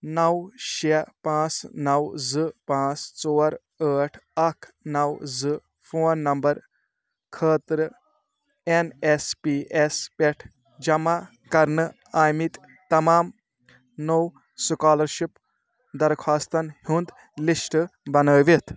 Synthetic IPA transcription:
nɐwʃepãːt͡snɐwzɨpãːt͡st͡soːɾ | əːʈʰɐkʰnɐwzɨ | fʰoːnːɐmbɐɾ | kʰəːt̪ɾ | enespiespʲeʈʰ | d͡ʒɐma | kɐɾnɨ | aːjmit̪ | t̪ːɐmaːm | now | sukaːlɐɾʃip | d̪ɐɾkʰaːst̪ɐnhund̪ | lisʈbɐnəːʋit̪ʰ

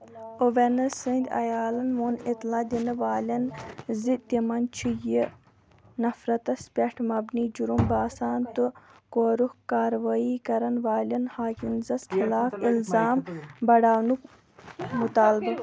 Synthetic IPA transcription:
oʋenɐsɨnd̪ʲɐ̰jaːlɐnʋonit̪laːd̪inɐʋaːlʲɐnzit̪imɐnt͡ʃʰiji | nɐfɾɐt̪ɐspʲɐʈʰmɐbniːd͡ʒuɾumbaːsaːnt̪ɨkoːɾuhkaːɾʋaːikɐɾɐnʋaːlɐnhaːkinzɐskʰilaːfilzaːmbɐɽaːnuk | mut̪aːlbɐ

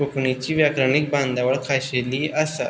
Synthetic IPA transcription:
oknit͡ɕiːʋjakɾanik̚bãnd̪aʋəɭkʰaɕeliːasa̰

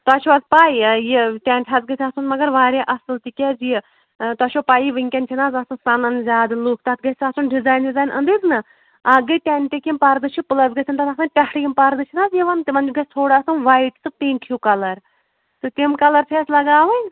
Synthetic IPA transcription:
t̪aːt͡ʃʰuazpaːjjeʈʲɛːnʈʲʰɐzɡɐsʲʰaːsunmɐɡɐɾʋaːɾʲjaʔɐsɨlt̪ikʲɛzij | t̪aːt͡ʃʰopaːjiʋɨŋʲkʲɐnt͡ʃʰinaːzaːsɨnsɐnɐnzʲaːd̪ɨlukʰt̪aːt̪̚ɡɐsʲaːsunɖizaːjnɖizaːjnʔɐ̰nd̪iznɨ | aɡɨjʈʲɛnʲʈ̪ʲekʲimpɐɾd̪ɨt͡ʃʰipɨlɐzɡɐsʰʲɐnt̪ɐt̪aːksɨnʲpʲɐsʈʰjimpɐɾd̪ɨt͡ʃʰinaːzjeʋɐnt̪imɐnd͡ʒuɡɐsʲt̪ʰoːɽaːsunʋɐjʈsɨt̪inkʰjukɐlɐɾ | sɨt̪ʲimkɐlɐɾpʲʰɛːsʲlɐɡaːʋɨnʲ

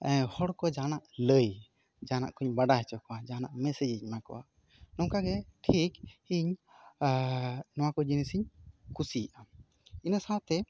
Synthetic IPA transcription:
hɔɽkɔd͡ʒanaʔləj | d͡ʒana̰ʔkuɲbaɖaɦɛt͡ʃɔkɔwad͡ʒana̰ʔmɛsɛd͡ʒiɲmakɔ̰ʔa̰ | nɔwkaɡɛʈʰikhiɲ | nɔwakɔd͡ʒinɛsiɲkʰusijɛʔa | inasat̪ɛ

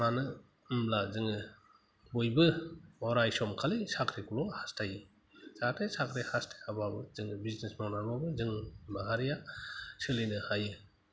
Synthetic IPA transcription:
manɯ | mlazɯŋɯ | bojbɯmɔɾajsɔmkʰalisakʰɾikulɔhastʰajɯ | sakɾesakʰɾehastʰḁjababɯzɯŋɯbiznesmawnamabɯzɯŋbaɦaɾijasɯlɯjnɯhajɯ

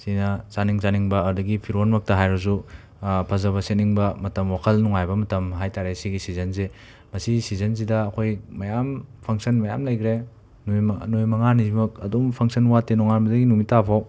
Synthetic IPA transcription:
sinɐsaniŋzaniŋbɐːɾudɐɡipʰiɾonmɐk̚tɐɦajɾɐz̬u | pʰɐzɐβɐseniŋbɐmɐtɐmwakʰɐlnuŋajbɐmɐtɐmɦajtaɾesiɡisizɐnze | mɐsisizɐns̬idɐːkʰojmɐjampʰɐŋsɐnmɐjamlɐjkʰɾe | njnojmɐŋanizimɐk̚ɐdumpʰɐŋsɐnwatenɔŋanbɐdɐɡinumitapʰaw

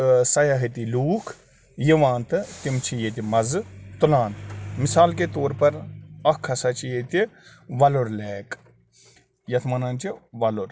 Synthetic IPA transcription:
sɐjaɦit̪iluːkʰ | jiʋaːnt̪ɨt̪imt͡ʃʰijet̪imɐzt̪ulaːnmɪsaːlket̪oːɾpɐɾɐkʰːɐsɐt͡ʃʰijet̪iʋɐloɾlɛːk | jɐt̪ʰmɐnaːnt͡ʃiʋɐloɾ

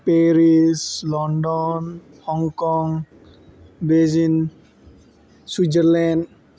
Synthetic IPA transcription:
pɛɾislɔndɔn | hɔŋkɔŋ | bezin | swid͡ʒəɾlɛ̃nd

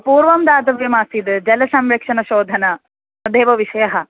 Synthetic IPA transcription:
puːɾʋɐmd̪aːd̪ɐʋjɐmaːsid̪d͡ʒɐlɐsɐmɾɐkʂɐnɐʃoːd̪ʱɐnɐ | d̪eːʋɐʋiʃɐjɐɦɐ̆

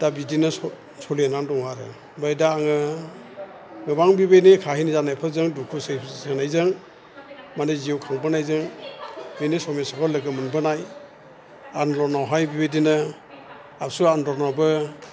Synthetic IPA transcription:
d̥abidinɯ | sɔlinaŋdɔŋwaɾɯ̰ | bajdaːŋɯ | ŋɯbaŋbibejnikʰahinizanajpʰɯzɯŋdukʰusɯjʰsanajzɯŋ | maneziwkʰaŋbɯnajzɯŋ | benisɔmesɔkʰɔlɯɡɯmɯnbɯnaj | anlɔnɔwɦajbibedinɯ | asuanɾɔnɔbɯ

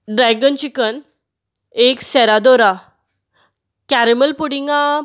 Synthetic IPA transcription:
ɖɾɛɡənt͡ɕikən | eksɛɾad̪oɾa | kæɾiməlpuɽiŋɡa

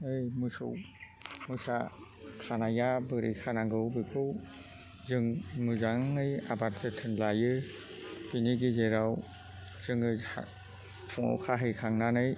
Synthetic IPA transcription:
ɯjmɯsɯ̰w | mɯsa | kʰanajabɯɾʔḭkʰanaŋɡɯwbɯkʰɯw | zɯŋmɯzaŋɯja̰bat̚zetʰɯnlajɯ | b̥iniɡizeɾaw | z̥ɯŋɯa̰ | pʰɔŋɔ̰wkʰaɦɯjkʰaŋnanɯj

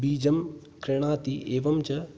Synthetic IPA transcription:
biːd͡ʒɐm | kɾeɽ̃aːt̪ieːʋɐmt͡ʃɐ

